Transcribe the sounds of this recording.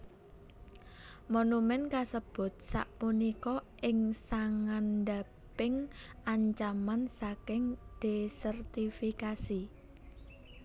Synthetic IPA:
monumɛnkasəb̥ʊ̤t̪̚sa̰ʔpunikɔʔɪŋsaŋand̪a | pɪŋʔaɲt͡ʃamansakɪŋd̪̥esərt̪ifikasi

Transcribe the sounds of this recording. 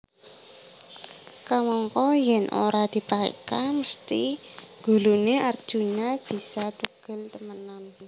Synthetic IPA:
kamɔŋkɔjɛnʔo̰ɾad̪̥i̤paḛkaməst̪iɡ̥ṳluneʔard̥ʒ̥ṳɲab̥i̤sat̪uɡ̥ə̤lt̪əmənan

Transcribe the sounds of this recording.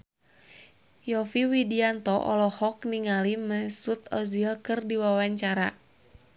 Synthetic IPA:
jɔfiwidiant̪ɔʔɔ̰lɔhɔk̚niŋaliməsut̪ɔzilkɨrdiwawaɲt͡ʃaɾa

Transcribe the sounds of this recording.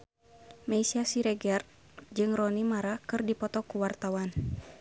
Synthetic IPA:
majsiasiɾɛɡɛr | d͡ʒɨŋrɔnimaɾakɨrdipɔt̪ɔkuwart̪awan

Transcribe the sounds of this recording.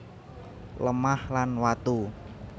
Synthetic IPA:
ləmahlanwat̪u

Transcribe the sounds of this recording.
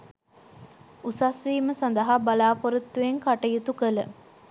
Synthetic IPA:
usasʋiːməsand̪ɐɦabalaːpoɾut̪ːujeŋkaʈɐjut̪ukələ̰

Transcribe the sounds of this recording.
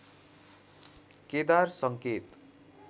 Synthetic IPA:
ked̪arsʌŋket̪

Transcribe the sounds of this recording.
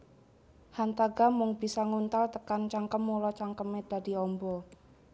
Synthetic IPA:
hant̪aɡamʊŋbisaŋunt̪alt̪əkant͡ʃaŋkəmːulɔt͡ʃaŋkəmed̥a̤diɔmbɔ

